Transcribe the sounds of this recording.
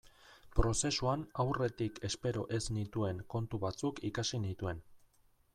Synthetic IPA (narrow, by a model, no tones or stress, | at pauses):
pɾo̞se̞suanawre̞t̪ikʰe̞spe̞ɾo̞̰ʔe̞znit̪ue̞ŋko̞nt̪uβat͡sukʰikasinit̪ue̞n